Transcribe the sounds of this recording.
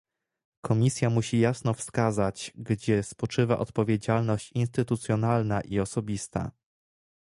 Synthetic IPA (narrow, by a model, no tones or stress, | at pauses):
kʰɔmʲisʲjamuɕijasnɔfskazat͡ɕɡd͡ʑɛspɔt͡ʂɘva̰ʔɔt̪pɔvʲjed͡ʑalnɔɕt͡ɕinst̪ɘt̪ut̪sʲjɔnalnaʔiɔsɔbʲist̪a̰